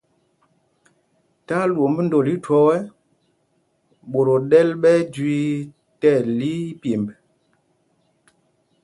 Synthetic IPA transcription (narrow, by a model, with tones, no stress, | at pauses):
ta˦lwo˨m˦bə˦n̩˦do˨li˦twɔ˦wɛ˦ | ɓo˨ɾo˨ɗɛ˦lɓɛ˦d͡ʒwi˦ | tɛ˦˨li˦pje˨mb